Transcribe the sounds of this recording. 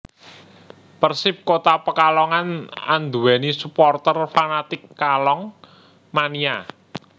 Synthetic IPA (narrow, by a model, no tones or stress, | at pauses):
pərsɪp̚kot̪apəkalɔŋana̰nd̪uɛnisupɔrt̪ərfanat̪ɪkːalɔŋ | mania